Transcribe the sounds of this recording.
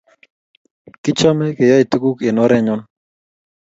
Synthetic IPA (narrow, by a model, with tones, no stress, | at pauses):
kɪ˦t͡ʃɔ˦mɛ˦ke˨ja˦i˨t̪u˦ku˦ke˨nɔ˦ɾɛ˦ɲɔ˦n